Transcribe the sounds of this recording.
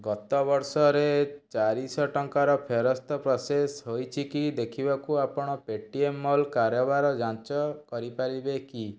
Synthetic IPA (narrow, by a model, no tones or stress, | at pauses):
ɡɔt̪ɔbɔɾsɔɾet͡ʃaɾisɔʈɔŋkaɾɔpʰeɾɔst̪ʰɔpɾɔsesɦojt͡ʃʰikid̪ekʰibakuapɔɽ̃ɔpeʈiemːɔlkaɾjɔbaɾɔd͡ʒãt͡ʃɔkɔɾipaɾibeki